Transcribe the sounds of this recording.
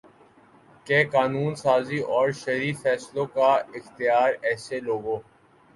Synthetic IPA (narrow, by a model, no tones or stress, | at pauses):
keːkaːnuːnsaːziʔɔːɾʃɐɾiːfɛːslõkaɪxt̪ɪjaːɾɛːseloːɡõː